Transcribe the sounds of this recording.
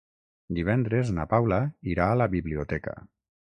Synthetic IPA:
d̪iβ̞ɛnd̪ɾeznapawlaiɾaːlaβiβliot̪ɛka̰

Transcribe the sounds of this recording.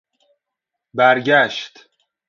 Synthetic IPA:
bæɾɟæʃt̪

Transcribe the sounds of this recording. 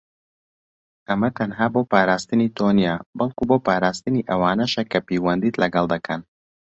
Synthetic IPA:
ʔɐmɐt̪ʰɐnɦaːboːpaːɾaːst̪ɨnit̪ʰoːnijaːbɐlˠkuboːpaːɾaːst̪ɨniʔɐwaːnɐʃɐkʰɐpejwɐnd̪iːt̪lɐɡɑlˠd̪ɐkʰɐn

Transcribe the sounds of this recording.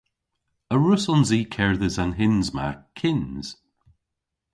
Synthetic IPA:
əɹʊsɔnziːkʰɛɹðəzanɦɪnzma̰kʰɪnz̥

